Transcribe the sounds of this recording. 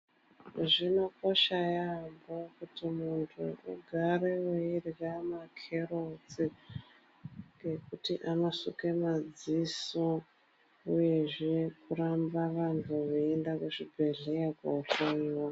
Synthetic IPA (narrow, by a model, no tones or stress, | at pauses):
ʐino̞ko̞ʃajambokutimuntʰuʔṵɡʱaɾeweirɣamakʰe̞rot͡si | ŋɡe̞kutiʔamosuke̞mad͡ziso | uje̞ʐe̞kuɾambaʋantʰuʋeendakuʐibʱe̞ɮeakauɬowo